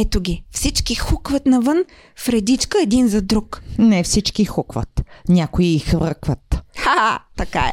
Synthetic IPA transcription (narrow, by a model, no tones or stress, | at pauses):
ɛt̪ʊɡʲifsit͡ʃkixukvət̪nɐvɤn | fɾɛd̪it͡ʃkəɛd̪inzɐd̪ɾuknɛfsit͡ʃkixukvə̰t̪nʲakʊiːxvɤɾkvət̪xat̪ɐka̰ɛ̰